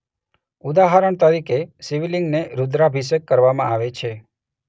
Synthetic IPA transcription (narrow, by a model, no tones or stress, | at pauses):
ud̪aɦaɾəɳ̃t̪əɾikesiʋiliŋɡneɾud̪ɾabʱis̬ekːəɾʋamã̰aʋet͡ʃʰe